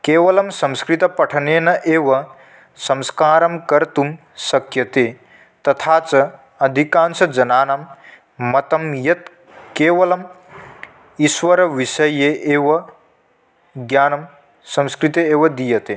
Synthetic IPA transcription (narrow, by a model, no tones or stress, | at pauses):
keːʋɐlɐmsɐ̃mskɾit̪ɐpɐʈʰɐneːnɐʔeːʋɐ | sɐ̃mskaːɾɐmkɐɾt̪um | sɐkjɐt̪eː | t̪ɐt̪ʰaːt͡sɐ | ɐd̪ʱikaːnsɐd͡ʒɐnaːnɐmː | ɐt̪ɐmjɐt̪̚ | keːʋɐlɐm | iʃʋɐɾɐʋiʃɐjeʔeːʋɐ | ɡjaːnɐm | sɐ̃mskɾit̪eeːʋɐd̪ijɐt̪eː